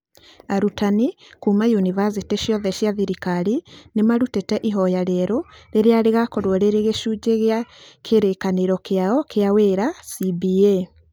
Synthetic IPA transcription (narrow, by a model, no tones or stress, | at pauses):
aɾutani | kumajunivas̬iteʃiɔðɛʃijaðiɾikaɾinemaɾutetɛʔiɦɔjaɾɛɾoɾeɾeaɾeɣakɔɾwɔɾeɾeɣeʃud͡ʑeɣeakʰeɾekaneɾɔkeaɔkʰeaweːɾasibie